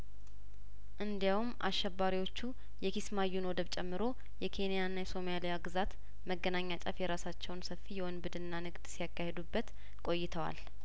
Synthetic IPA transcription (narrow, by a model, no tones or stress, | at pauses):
ʔɨnd̪jawumʔa̰ʃːɛbːaɾiwo̞t͡ʃːu | jɛkʰismajːunwɔd̪əβt͡ʃʼɛmːɨɾo̞ | jɛkʰe̞nijanːajɛso̞malijaɡɨzat̪ | məɡːənaɲːat͡ʃʼafjɛɾasat͡ʃːɛwnsəfːijɛwɔnbɨd̪ɨnːanɨɡd̪̥sijakːahe̞d̪ubːət̪ | kʼo̞jːɪt̪ʰəwa̰l